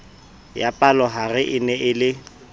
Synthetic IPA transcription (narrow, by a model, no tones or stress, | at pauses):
japʼalɔɦarɪʔɪnɛʔɪlɪ